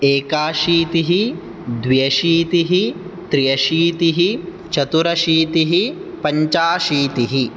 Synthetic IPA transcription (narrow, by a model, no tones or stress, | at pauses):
eːkaːʃiːt̪iɦi | d̪ʋijɐʃiːt̪iɦit̪ɾijɐʃiːt̪iɦi | t͡ʃɐt̪uɾɐʃiːt̪iɦipɐɲt͡ʃaːʃiːt̪iɦi